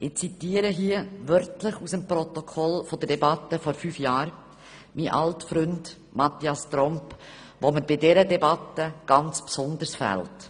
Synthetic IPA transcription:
ʔɪt͡sitiːəɾəɦiəʋœɾtləχusəmpɾɔt̪ɔkʰɔlfod̪ədɛbɑtːəfɔɾfyːfjɑːɾ | miʔɑ̰ltfɾʏnd̥ | mɑt̪iɑstɾɔmp | ʋoməɾb̥ɪdɛɾədɛbɑtːəɡ̥ɑnt͡spsɔnd̪əɾsfæ̰lt

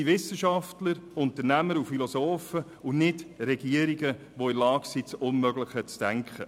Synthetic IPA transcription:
iʋɪsːəʃɑftləɾʊnt̪əɾnæməɾufilɔsoːfə | ʊnɪdɾɛɡ̥iəɾiɡə | ʋoɪlɑːɡ̥sit͡sʊnmœɡlɪχət͡sd̥æŋkχə̰

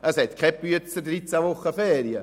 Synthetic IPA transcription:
æsɛt̪kʰɛpyətt͡sədɾit͡saʋoχːəfɛːɾjə

